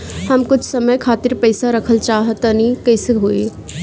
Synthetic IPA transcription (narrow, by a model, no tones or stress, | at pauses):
həmkʊt͡ʃʰsəməjkʰaːt̪iɾpəɪsaɾəkʰəlt͡ʃaːɦət̪ənikəɪsɦui